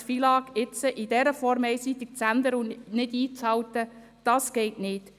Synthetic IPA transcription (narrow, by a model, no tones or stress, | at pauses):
fiːlɑːɡɪt͡səʔidɛɾəfɔɾmɛɪsit̪ɪk̚t͡sænd̪əɾəunɪdiːt͡shɑwtə | d̥ɑːsɡ̥ɛɪtnɪːt